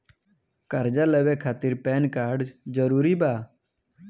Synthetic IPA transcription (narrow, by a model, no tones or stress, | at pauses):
kəɾd͡ʒaləʋekʰaːt̪ɪɾpɛːnkaːɾɖd͡ʒd͡ʒəɾuːɾibaː